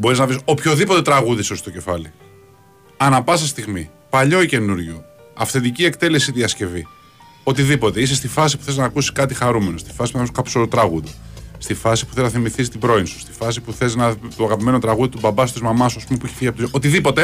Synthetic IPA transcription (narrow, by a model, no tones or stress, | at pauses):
bo̞ɾiznɐviso̞pço̞ðipo̞t̪e̞t̪ɾɐɣuðisost̪o̞ce̞fɐli | ɐnɐpɐsɐst̪iɣmi | pɐʎo̞ice̞nuɾʝo | ɐfθend̪icie̞kt̪e̞le̞siðiɐsce̞vi | o̞t̪iðipo̞t̪e̞isest̪ifɐs̬i̥pu̥θe̞znɐːkusi̥skɐt̪ixɐɾume̞nost̪i̥fɐsi̥punθɐoskɐpo̥solot̪ɾɐɣuðost̪ifɐsi̥puθe̞znɐθimiθist̪ibɾo̞insu̥st̪i̥fɐs̬ipuθe̞znɐt̪oɐɣɐpime̞not̪ɾɐɣuðit̪ubɐbɐsut̪izmɐmɐsuɐspume̞puiçefiʝɐpot̪oʔo̞t̪iðipo̞t̪e